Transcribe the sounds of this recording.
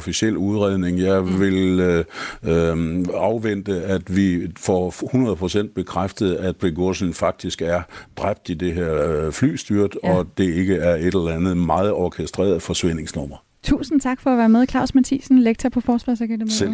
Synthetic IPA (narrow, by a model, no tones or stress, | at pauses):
ofisiel̰uðˠʁɛð̰ˠne̝ŋjɑ̈ɪʋe̝l | ɑ̈ʊʋen̰d̥əæd̥ʋifɒhunɐð̞̩ˠpʰʁo̝sen̰d̥̚b̥e̝kʰʁafd̥əð̩ˠæd̥̚b̥eɡosn̩fɑ̈ɡ̥̚d̥isɡ̥æɐd̥ʁab̥̚d̥id̥e̝ɦeɐ̰fly̰ːsd̥yɐd̥ɒ̽d̥e̝e̝ɡ̥əæɐe̝d̥elɐlænð̩ˠmɑ̈ːð̞̩ˠɒkʰesd̥ʁɛ̰ːɐðˠfɒ̽sʋen̰e̝ŋsnɔ̽m̰ɐ | t͡sʰṵːsn̩t͡sʰɑ̈ɡ̥fɒ̽ːʋæːɐmeðˠkʰlɑ̈ʊ̰smæt͡sʰḭsn̩leɡ̥̚t͡sʰɐpʰɒ̽fɒːsʋɑ̈sɑɡ̥ed̥emsel